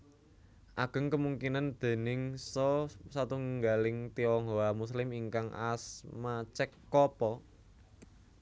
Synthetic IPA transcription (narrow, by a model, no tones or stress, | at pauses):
ʔaɡ̥ə̤ŋkəmuŋkinand̪̥e̤nɪŋsɔsat̪uŋŋɡalɪŋt̪iɔŋɡoamuslɪmiŋkaŋʔa̰smat͡ʃɛkːɔpɔ